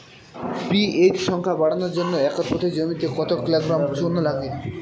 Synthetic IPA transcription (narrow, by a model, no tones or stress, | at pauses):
piet͡ɕʃɔŋkʰabaɽanoɾd͡ʑonːoɛkaɾpɔt̪ʰed͡ʑomit̪ekɔt̪okleɡɾamʃunːolaɡe